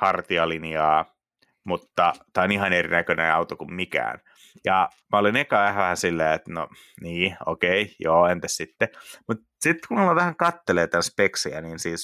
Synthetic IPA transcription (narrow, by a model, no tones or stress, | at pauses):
hɑrt̪iɑlinjɑː | mut̪ːɑt̪æːonihɑnerḭnækønḛɑut̪okummikæ̰ːn | jɑ | mæolinekɑːæhæʋæhænsilːeːet̪no̰ | niːo̰keijoːent̪æssit̪ːemut̪ | sit̪ːkumilɑʋæhæŋkɑt̪ːeleːt̪ænspeksiæ̰niːnsiːs